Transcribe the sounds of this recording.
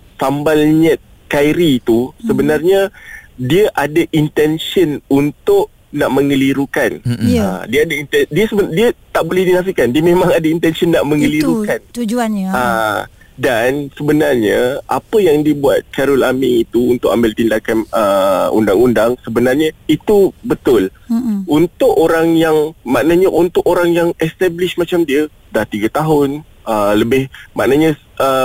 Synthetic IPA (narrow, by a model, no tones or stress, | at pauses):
sambalɲət̪̚ | kajɾiːt̪usəbənarɲadiəʔadaʔint̪ɛnsənunt̪ʊʔ̚ | naʔməŋəliɾukanadiaadaint̪ɛndiəsəbədiat̪aʔbolɛhdinafiʔkandiəmẽmãŋadaint̪ɛnsənːaʔmə̃ŋəliɾukkant̪ud͡ʒuana | dansəbənarɲaa̰pəjaŋdiəbuat̪̚kaɾʊlamiit̪uunt̪ʊk̚a̰mbɪlt̪indakanəṵndaŋundaŋsəbənarɲait̪ubət̪ʊlunt̪ʊʔoɾaŋjaŋmaʔnaɲaʔunt̪ʊʔoɾaŋjaŋɛst̪ɛblɪʃmat͡ʃamdiə | daht̪iɡat̪aɦʊn | ələbɪhma̰ʔnaɲa | ʔə